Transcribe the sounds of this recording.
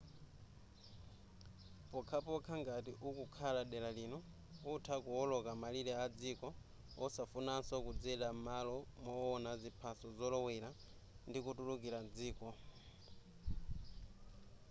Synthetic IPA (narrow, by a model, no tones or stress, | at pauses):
pɔkʰapɔkʰaŋɡatiʔukukʰalaɗɛlalinɔ | utʰakuɔlɔkamaliɾɛad͡zikɔ | ɔsafunansɔkud͡zɛɗamalɔmɔːnazipʰasɔzɔlɔwɛɾa | ndikutulukiɾad͡ziːkɔ